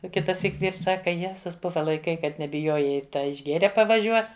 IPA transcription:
oː ˈkʲɪtɐˌsʲiːk ˈʋʲiːrs ˈsɑːkɐ ˈjæːzʊs ˈbʊʋɐ lˠɐɪˈkɐɪ ˈkɐt nʲɛbʲɪˈjoːjɛɪ tɐ ɪʒʲˈɡʲeːrʲɛ pɐʋɐˈʒʲuɔ

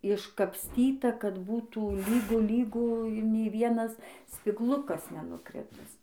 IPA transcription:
ɪʃkɐpʲsʲˈtʲiːtɐ kɐt ˈbuːtuː ˈlʲiːɡʊ ˈlʲiːɡʊ ˈnʲɛɪ ˈʋʲiɛnɐs sʲpʲɪɡˈlˠʊkɐs nʲɛnʊˈkrʲɪtʲɪs

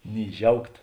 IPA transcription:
nʲiː ˈʒʲɛʊkt

